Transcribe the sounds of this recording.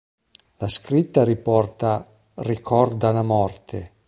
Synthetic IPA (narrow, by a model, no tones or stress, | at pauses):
laskɾit̪ːaɾipɔrt̪a | rikʰɔrd̪alamɔrt̪e